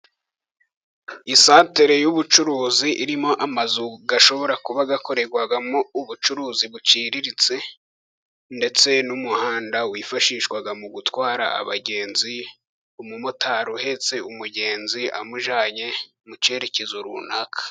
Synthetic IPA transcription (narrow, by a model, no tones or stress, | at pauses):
isaːteɾe̞juβut͡ʃuɾuːziʔiɾimo̞ʔamazuɡaʃo̞βo̞ɾakuβaɡako̞ɾe̞ɾɡwaɡamouβut͡ʃuɾuːziβut͡ʃiːɾiɾit͡se̞ | nde̞t͡se̞numuhaːndawiːfaʃiːʃkwaɡamuɡutwaːɾa̰a̰βa̰ɟe̞ːnzi | umumotʰaɾuhe̞t͡se̞umuɟe̞ːnzia̰muʒaːɲe̞ | mut͡ʃe̞ɾe̞cezuɾṵnakʰḁ